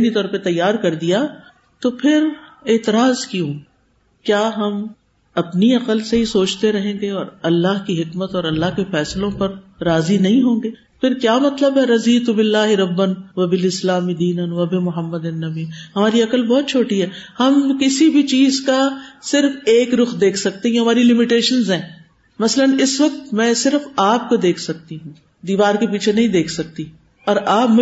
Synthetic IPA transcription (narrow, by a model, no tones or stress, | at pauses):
d̪it̪ɔːɾpet̪ɐjːaːɾkɐɾd̪ija | t̪opʰɪɾeːt̪ɪɾaːzkjũː | kjaːɦɐm | ɐpniɐqəlseɦisoːt͡ʃt̪eɾɐɦẽːɡeɔːɾɐlːaɦkiɦɪkmət̪ɔːɾɐlːaɦkefɛːslõpɐɾɾaːzinɐɦĩɦõːŋɡeː | pʰɪɾkjaːmɐt̪ləbɦɛɾɐziːt̪ubɪlːaːɦɪɾɐbːənʋɐbɪlɪslaːmid̪iːnənʋɐbemʊɦəmːəd̪enːɐbiːɦɐmaːɾiɐkəlbɔːt̪̚t͡ʃʰoːʈiɦɛːhɐmkɪsibʱit͡ʃiːzkasɪɾfeːkɾʊxd̪eːkʰsɐk̚t̪eɦɛ̃ɦɐmaːɾilɪmɪʈeːʃənzɦɛ̃ː | mɐslənɪsʋɐk̚t̪mɛ̃ːsɪɾfaːp̚kod̪eːkʰsɐk̚t̪iɦũː | d̪iːʋaːɾkepiːt͡ʃʰenɐɦĩd̪eːkʰsɐk̚t̪i | ɔːɾaːpmʊ